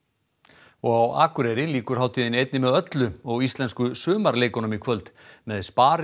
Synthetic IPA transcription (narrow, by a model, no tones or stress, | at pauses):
ɔɣawaːkʏɾɛɾɪliːkʏɾ̥haːwt̪ʰiːðɪnejt̪nɪmɛðœt̪lʏɔɣist̪lɛnskʏsʏːmaɾleːjkɔnʏmikʰvœlt̪mɛðspaːɾ